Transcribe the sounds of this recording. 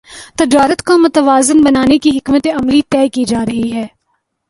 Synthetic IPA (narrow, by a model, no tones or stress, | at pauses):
t̪ɐd͡ʒaːɾət̪kamʊt̪əʋaːzɪnbɐnaːnekiɦɪkmət̪eɐmlit̪ɛːkid͡ʒaːɾɐɦiɦɛː